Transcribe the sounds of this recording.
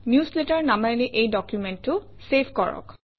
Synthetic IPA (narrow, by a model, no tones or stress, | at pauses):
njusletaɹnamaliʔejdɔkjumɛntːʊsepʰkɔɹɔ̰k